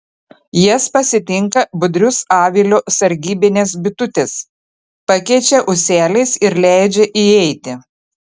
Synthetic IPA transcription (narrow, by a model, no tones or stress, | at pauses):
jɛspɐsʲɪt̪ʲɪŋkɐbʊd̪ʲɾʲʊsɑːʋʲiːlʲoːsɐɾʲɡʲiːbʲɪnʲeːs̬bʲɪt̪ʊt̪ʲeːs | pɐkʲɛɪt͡ʃʲɛʔʊsʲæːlʲɛɪsɪɾlʲæˑɪd͡ʒʲɛʔiɛɪt̪ʲɪ